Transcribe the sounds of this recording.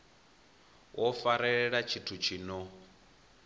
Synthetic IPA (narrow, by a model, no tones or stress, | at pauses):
wʔɔfaɾɛɺɛɺat͡ʃʰitʰut͡ʃʰiːnɔ